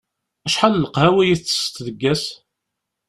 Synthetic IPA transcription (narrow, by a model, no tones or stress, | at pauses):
æʃħalːəqhæwæjiθt͡sːə̥st̪ðəɡːæs